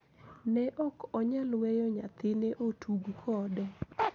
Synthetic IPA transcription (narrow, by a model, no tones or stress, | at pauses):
nɛʔɔkɔɲalwɛjɔɲa̰t̪ɪneʔotʰuɡukʰɔdɛ